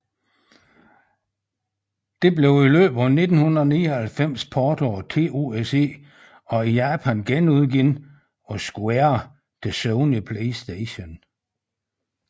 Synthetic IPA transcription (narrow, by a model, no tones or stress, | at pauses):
d̥e̝ble̝ʊilø̰ːb̥æne̝d̥n̩hunðɐɒniːɒhælfem̰spʰɒːd̥ɒːt͡sʰe̝̰ːo̝ese̝̰ː | ɒ̽ijæːpʰænɡ̥enuð̞ˠɡin | ɒsɡ̥eɐ | d̥esoʊnipʰleɪsd̥eɕon